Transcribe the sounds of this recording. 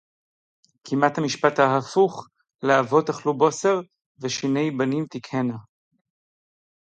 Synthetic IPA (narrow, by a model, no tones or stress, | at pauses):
kʰimat̪hamiʃpat̪haɦafuχ | leavo̞t̪aχlubo̞seʁ | veʃine̞jbanimt̪ikhena